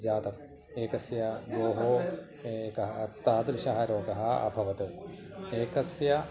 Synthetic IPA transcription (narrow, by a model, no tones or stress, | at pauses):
d͡ʒaːt̪ɐk̚ | eːkɐsjɐɡoːɦoː | ekɐɦɐt̪ːaːt̪ɾɪʃɐɦɐɾoːɡɐɦɐɐ̰bʱɐʋɐt̪u | eːkɐsjɐ